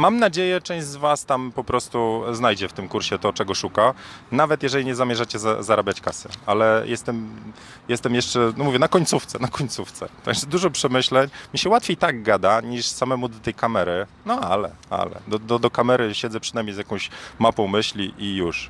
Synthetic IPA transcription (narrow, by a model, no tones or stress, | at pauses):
mamnad͡ʑejɛt͡ʂɛ̃ʑd͡ʑzvast̪ampɔpɾɔst̪uznajd͡ʑɛft̪ɘmkuɾɕɛt̪ɔt͡ʂɛɡɔʂukanavɛt̪jɛʐɛlʲiɲɛzamʲjɛʐat͡ɕɛza̰zaɾabʲjat͡ɕkasɘ̰alɛjɛst̪ɛm | jɛst̪ɛmjɛʂt͡ʂɛnɔmuvʲjɛnakɔɲʲt̪suft̪sɛnakɔɲt̪suft̪sɛ̰t̪aɡʐɛd̪uʐɔpʂɛmɘɕlɛɲmʲiɕɛwat̪fʲjejt̪aɡ̚ɡad̪aɲiʂsamɛmud̪ɔt̪ɛjkamɛɾɘnɔalɛ̰a̰lɛ̰d̪ɔd̪ɔd̪ɔkamɛɾɘɕɛdzɛpʂɘnajmɲejzjakɔ̃w̃ɕmapɔ̃w̃mɘɕlʲiʔijuʂ